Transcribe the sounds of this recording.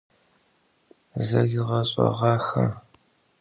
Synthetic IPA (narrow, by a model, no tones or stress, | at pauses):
zɐɣɪʁɐɕʼɐ̰ʁɑːxɐ